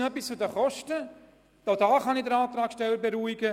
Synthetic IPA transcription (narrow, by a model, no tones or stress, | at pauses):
œpːist͡sʊd̪əχɔʃtə | d̥oʊdɑːχɑnidəɾɑːt̪ɾɑːkʃtɛlːəɾbeɾuiɡə